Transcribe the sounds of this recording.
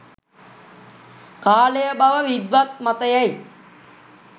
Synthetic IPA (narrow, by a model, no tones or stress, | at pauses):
kaːlejəbaʋəʋid̪ʋat̪̚mat̪əjæj